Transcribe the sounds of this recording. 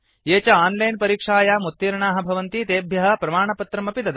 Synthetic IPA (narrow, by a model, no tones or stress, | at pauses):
jeːt͡ʃɐaːnlɐjnpɐɾiːkʂaːjaːmut̪ːiːɾɐɳaːɦɐ̆bʱɐʋɐnt̪it̪eːbʱjɐɦɐ̆pɾɐmaːɳɐpɐt̪ɾɐmɐpid̪ɐd̪